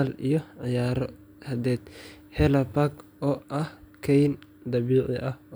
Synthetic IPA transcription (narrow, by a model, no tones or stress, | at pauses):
lijɔʕɪjaːɾɔ̰ | hɐd̪ɛːd̪ | hɛlɐpaɡ | ɔːʔɐhkʰɛjnd̪ɐβiːʕɪ̰ʔɐh